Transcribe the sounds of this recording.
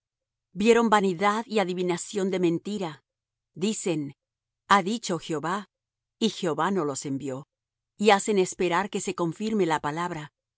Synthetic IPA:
bje̞ɾo̞mbaniðaðiaðiβinasjo̞nd̪e̞mẽ̞nt̪iɾa | ðise̞n | aðit͡ʃo̞xjo̞βa | ixjeo̞βano̞lo̞se̞mbjo̞ | iase̞ne̞spe̞ɾaɾke̞se̞ko̞ɱfiɾme̞lapalaβɾa

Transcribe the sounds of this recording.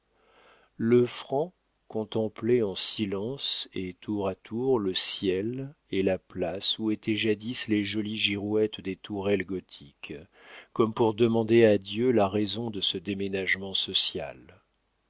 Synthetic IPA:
ləfχɑ̃ | kɔ̃t̪ɑ̃pleɑ̃silɑ̃set̪ʰuʁat̪ʰuʁləsjɛl | elaplasuet̪ʰɛʒad̪isleʒɔliʒiʁwɛt̪d̪et̪ʰuʁɛlɡɔt̪ʰikː | ɔmpuʁd̪əmɑ̃d̪ead̪jølaʁɛzɔ̃d̪əsəd̪emenaʒmɑ̃sɔsja̰l

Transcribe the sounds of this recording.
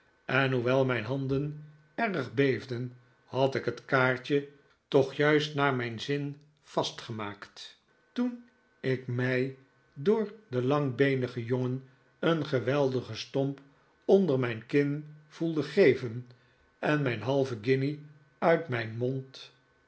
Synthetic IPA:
ʔɛnɦuʋɛlˠmɛjnɦɑndən | ɛʁəχbejvdən | hɑtɪkɦətkaːɹt͡ʃə | tɔχjœɥstnaːɹmɛjnzɪn | fɑstχəmaːkt | tun | ɪkmɛj | dʊːɹdəlɑŋbejnəχəjoŋən | ənχəʋɛlˠdəχəstɔmp | ondəɹmɛjnkɪnv̥ulˠdəχejvən | ɛnmɛjnɦɑlˠvəɡɪni | œɥtmɛjnmɔnt

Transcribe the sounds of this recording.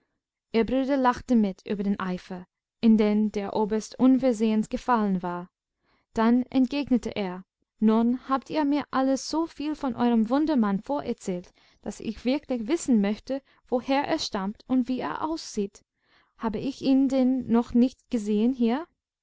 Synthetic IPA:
ʔiːɐbʁyːdɐlaχtəmɪtʔy̰ːbɐdeːnʔaɪfɐ | ʔɪndeːndeːɐʔoːbɐstʔʊnfɛɐzeːənsɡ̥əfalənvaːɐ | d̥anʔɛ̰ntɡ̥eːɡnətə̰ʔeːɐ | nunhaːp̚tiːɐmiːɐʔaləsz̥oːfiːlfɔnʔɔ̰ʏʁəmvʊndɐmanfoːɐʔɛɐt͡sɛːlt | d̥asɪ̰çv̥ɪɐklɪçv̥ɪsn̩mœçtə | v̥oheːɐʔḛːɐʃtamtʊntv̥iːḛːɐʔa̰ʊsz̥iːt | haːbəɪçiːndenːɔχnɪçtɡ̥əzeːənɦiːɐ

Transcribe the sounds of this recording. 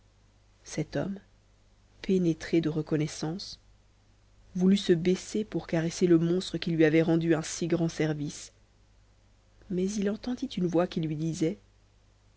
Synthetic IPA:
sɛt̪ɔ̰m | penet̪χed̪əʁəkɔnɛsɑ̃s | vulysəbɛsepuʁkaʁɛseləmɔ̃st̪χəkʲilɥiavɛʁɑ̃d̪yɛ̃siɡʁɑ̃sɛʁvis | mɛzilɑ̃t̪ɑ̃d̪it̪ynvwakʲilɥid̪izɛ

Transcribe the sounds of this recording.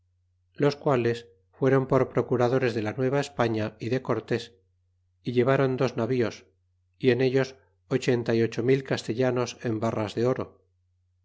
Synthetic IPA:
lo̞skwale̞s | fwe̞ɾo̞mpo̞ɾpɾo̞kuɾað̞o̞ɾe̞zðe̞lanwe̞β̞aespaɲaiðeko̞ɾt̪e̞s | iʎe̞β̞aɾo̞nd̪o̞znaβio̞s | ie̞ne̞ʎo̞s | ot͡ʃe̞nt̪aio̞t͡ʃo̞milkast̪e̞ʎano̞se̞mbarazðe̞o̞ɾo

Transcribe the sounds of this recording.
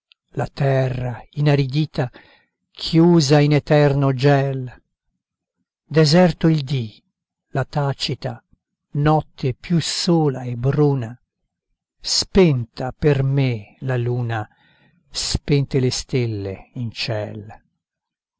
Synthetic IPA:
lat̪ɛrːainaɾid̪iːt̪a | kʰjuːzainɛt̪ɛrnod͡ʒɛl | d̪ɛzɛrt̪oild̪i | lat̪aːt͡ʃit̪a | nɔt̪ʰːepjusoːlaebɾuːna | spɛnt̪apermelaluːna | spɛnt̪elest̪elːḛint͡ʃɛ̰l

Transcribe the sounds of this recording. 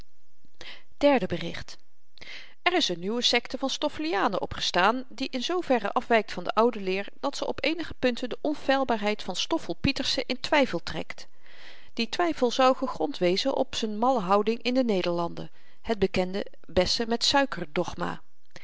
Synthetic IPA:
d̥ɛɹdəbərɪ̰χt | ɛrɪsənːywəsɛktəvɑnstɔfəlijaːnəʔɔpχə̥staːndiʔɪnzowvɛrə̰ʔɑfʋɛjk̚tfɑndə̰ʔɑwdəlɪːɹd̥ɑtsəʔɔpejnəχəpɵntəndəʔɔnfɛjlˠbaːɹɦɛjtfɑnstɔfəlˠpitəɹsəʔɪntʋɛjfəlˠtrɛ̰kt | d̥itʋɛjfəlˠzɑwχəχrɔntʋejzənʔɔ̰psənmɑləɦɑwdɪŋʔɪndənejdəɹlɑndə̰ | həd̚bəkɛndə | bɛstəmɛtsœɥkəɹdɔχma̰ː

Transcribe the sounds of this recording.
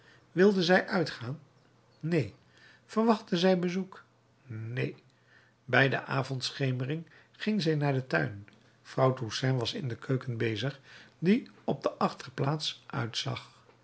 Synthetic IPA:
ʋɪlˠdənzɛjʔœɥtχaːnː | ej | v̥əɹʋɑχtəzɛjbəzuk | nḛj | bɛjdə̰ʔaːvɔntsχejmərɪŋ | χɪŋzɛjnaːɹdətœ̰ɥn | frɑwtusɛnʋɑsɪ̰ndəkʰøɥkənbejzəχdiɔb̚dəʔɑχtərplaːtsʔœ̰ɥtsɑ̰χ

